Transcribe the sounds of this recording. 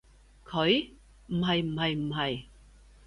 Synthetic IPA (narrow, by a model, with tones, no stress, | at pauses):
kʰɵ˨˥ɥ | m̩˨˩hɐ˨˩jm̩˨˩hɐ˨jm̩˨˩hɐ˨˩j